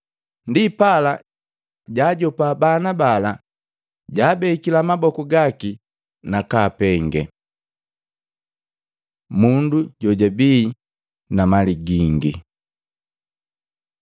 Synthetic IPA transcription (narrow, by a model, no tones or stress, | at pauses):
ndipala | ɟaːɟɔpabanabala | ɟaːbɛikilamabɔkuɡaki | nakaːpɛŋɡɛ | munduɟɔɟabiː | namaliɡiŋɡḭ